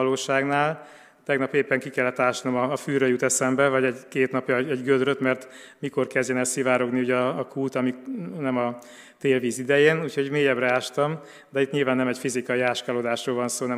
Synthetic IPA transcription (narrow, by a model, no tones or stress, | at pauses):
ɒloːʃaːɡnaːl | t̪ɛɡnɒpeːpːɛŋkikɛlːɛt̪ːaːʃnomɒːfyːrøjut̪ɛsɛmbɛvɒɟɛɟkeːt̪nɒpjɒɛɟɡød̪ɾøt̪mɛrt̪ | miko̞rkɛzɟɛnɛsivaːɾo̞ɡniuɟɒːkult̪ɒminɛmɒ | t̪eːlviːzid̪ɛjeːnuːcʰho̞ɟmeːjɛbrɛaːʃt̪ɒm | d̪ɛit̪ɲilvaːnːɛmɛcfizikɒjiaːʃkalod̪aːʃroːlvɒnsoːnɛ